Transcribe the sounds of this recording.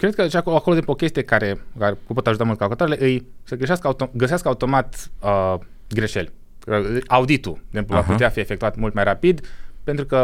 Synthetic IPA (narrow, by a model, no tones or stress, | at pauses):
kɾe̞d̪̚kət͡ʃakoakoloimpokʲe̞st̪ijekaɾe̞kaɾekupo̞t̪aʒut̪amult̪kalkot̪oɾele̞ʔɨjsəɡəʃaskaut̪oɡəseaskaut̪o̞mat̪ə | ɡɾe̞ʃe̞̰lʲ | əaud̪it̪ueɡzempluvaput̪eafie̞fek̚t̪uat̪mult̪majrapid̪pe̞nt̪ɾukə